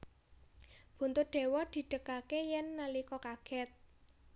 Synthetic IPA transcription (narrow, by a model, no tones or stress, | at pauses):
b̥ṳnt̪ʊɖ̪̥e̤wɔd̪̥i̤ɖ̪̥ə̤kakejɛnːalikɔkaɡ̥ɛt̪̚